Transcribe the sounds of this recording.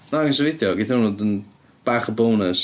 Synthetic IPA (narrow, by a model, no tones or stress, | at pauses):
nains̬ɛvɪdjɔɡɪθaunoːdən | b̥aːχəbownəs